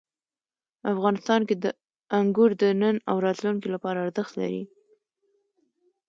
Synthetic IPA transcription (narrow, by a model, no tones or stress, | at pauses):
afɣɑnɪst̪ɑnked̪ə | aŋɡuɾd̪ənəna̰wɾɑt̪luŋkilapɑɾaːɾzəxt̪la̰ɾḭ